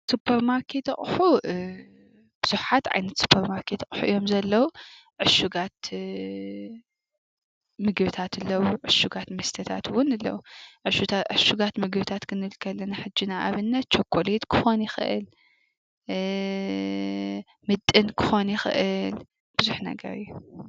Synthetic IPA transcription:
supʰːɐɾmaɾkʰe̞t̪ɐ̰χʼħu | b̥ɨz̥uħħat̪ʕa̰jnɐt̪su̥pʰːɐɾmaɾkʰet̪kʼħuʔijo̞mzɐlːɐwu | ʕɨʃuɡat̪ | mɨɡβɨt̪ʰat̪ɨlːɐwuʕɨʃuɡat̪mɐst̪ʰɐt̪ʰat̪wʊnɨlːɐ̰wuʕɨʃʕɨʃuɡat̪mɨɡɨβɨt̪ʰat̪kʰɨnɨβɨlkʰɐlːɐnaħɨd͡ʒːinaʔaβɨnːɐt̪̚t͡ʃʰokʷʼːolit̪kʰɨ̥xo̞njɪxɨ̰ʔɨ̰l | mɨt̪ʼːɨnkʰɨ̥xo̞njɪxɨ̰ʔɨl | b̥ɨzuħnɐ̰ɡɐ̰ɾɨ̰jːu

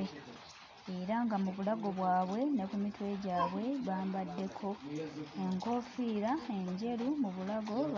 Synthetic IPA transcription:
e | e̞ɾaŋɡamuβulaɡo̞βwaːβwe̞ne̞kumitwe̞ːɟaːβwe̞βaːmbadːe̞kʰo̞eŋko̞fiːɾae̞ɲɟe̞lumuβulaɡo̞

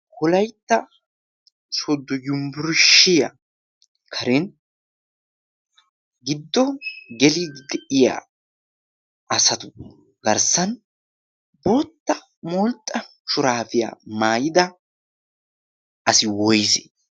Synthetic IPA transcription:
kɔlɐjt̪ːɐ | sɔd̪ːɔjʊmbʊɾʃɪjɐ̰ | kʰɐɾɛn | ɡɪd̪ːɔɡɛlid̪ɛʔɪja̰ | ɐsɐt̪ʊ | ɡɐɾsɐn | boːt̪ːɐ | mɔlt̪ʼːɐ | ʃʊɾaːfɪja̰maːjɪd̪ɐ | ɐsɪwɔjsɛ

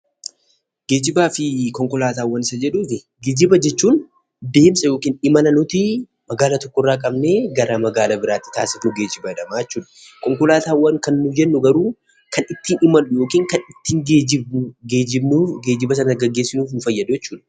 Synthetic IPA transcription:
ɡe̞ːd͡ʒɪbaːfɪkɔŋkɔlaːt̪aːwːɐnɪsɐd͡ʒɛᶑuːt̪ɪ | ɡeːd͡ʒɪbɐd͡ʒɛt͡ʃːuːn | d̪e̞ːmsʼɐjoːkiːnɪmɐnɐnʊt̪ɪ | mɐɡaːlɐt̪ɔkːɔrːaːkʼɐbne̞ːɡɐɾamɐɡaːlɐbɪɾaːt̪ːɪ̥t̪aːsɪfnʊɡe̞ːd͡ʒɪbɐd̪ɐmaːjɛt͡ʃːuːᶑɐ̥ | kɔŋkɔlaːt̪aːwːɐŋkɐnːʊd͡ʒɛnːʊɡɐɾuː | kɐnɪt̪ːiːnɪmɐlʊjo̞ːkiːŋkɐnɪt̪ːiːŋɡeːd͡ʒɪbɡeːd͡ʒɪbuɡe̞ːd͡ʒɪbɐsɐnɐɡɐɡːeːsːɪnuːfnʊfɐjːɐd̪ʊjɛt͡ʃːuːᶑɐ̥

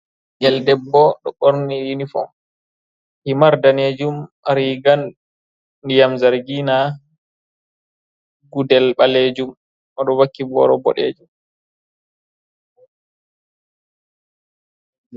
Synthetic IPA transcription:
ɡɛldɛbːɔɗɔɓoɾnijinifɔ̰ | himaɾdaneːd͡ʒumaɾiɡanː | ijamzaɾɡina | ɡudɛlɓaled͡ʒum | ɔɗɔwakːibɔ̰ɾɔbɔ̰ɗḛːd͡ʒum

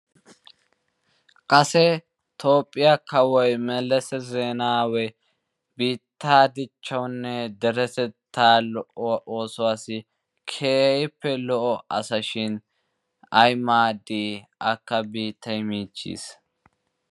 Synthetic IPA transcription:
kʼɐsɛ | t̪o̞ːpʼːɪjakɐwɔjmɛlːɛsɛzeːnaːwɛ | biːt̪ːaːd̪ɪt͡ʃːɐwnːɛd̪ɛɾɛsɛt̪ʰːaːlɔʔɔwɐʔoːsɔwaːsɪ | kʰeːɪpːɛlɔʔɔɐsɐʃɪn | ɐjmaːd̪iːɐkːɐbiːt̪ʰːɐjmiːt͡ʃːḭːs

